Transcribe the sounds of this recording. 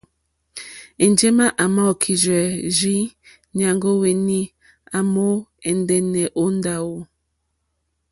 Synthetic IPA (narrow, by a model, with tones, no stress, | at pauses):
e˨n˨d͡ʒe˦ma˦ʔa˨mɔ˦˨kʰi˨d͡ʒɛ˨ʒi˦ | nja˨ŋɡo˦we˨ni˦ | a˨mo˦e˨n˦dɛ˦ne˨ʔo˦n˦da˨wo˨